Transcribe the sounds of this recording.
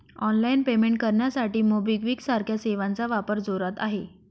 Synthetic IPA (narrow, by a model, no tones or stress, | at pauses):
ɔnlainpemeɳʈ̚kəɾɳjasaʈiːmobiɡʋiːksaɾkʰjaseʋãnt͡saʋapəɾd͡zoɾat̪aɦe